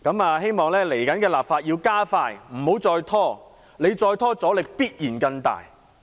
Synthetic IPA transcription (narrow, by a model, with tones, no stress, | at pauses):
kɐ˨˥maː˧ɦe˥jmɔː˨ŋlɛː˥le˨˩jkɐ˨˥nkɛː˧laː˨p̚faː˧t̚jiː˧wkaː˥faː˧jm̩˨˩ho˨˥wt͡sɔː˧jt̪ʰɔː˥ | le˨˧jt͡sɔː˧jt̪ʰɔː˥t͡sɔː˨˥lɪ˨˧k̚piː˥t̚jiː˨˩nkɐ˧ŋt̪a̰ː˨j